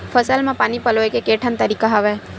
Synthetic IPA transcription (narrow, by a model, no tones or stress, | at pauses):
fəsəlmãpaːnipəloekekeʈʰənt̪əɾikaɦaʋe